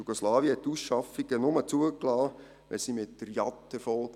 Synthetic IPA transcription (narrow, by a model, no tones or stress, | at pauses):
uɡ̥oslɑːviəhɛtːusʃɑfiɡ̥ənʊmət͡suəklɑː | ʋʔɛ̰simɪtdəɾjɑ̰tːɛfɔlk